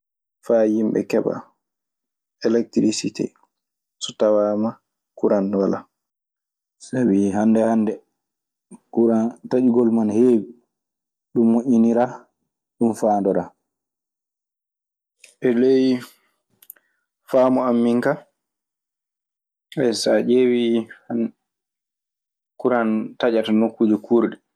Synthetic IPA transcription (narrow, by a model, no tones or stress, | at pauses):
fajimbɓɛ̰kɛɓa̰ | ɛlɛk̚tɾisitɛ̰ | sɔtawaːma | kuɾanwala | sawiɦandɛhandɛ | kuɾantaɗiɡɔlmanheːwi | ɗumːoʔʲːiniɾaː | ɗumfaːndɔɾa | ʔɛlej | faːmɔamːiŋka | ɛjsad͡ʒewiha | kuɾantad͡ʒatanokːuːd͡ʒɛkʰuːɾɗɛ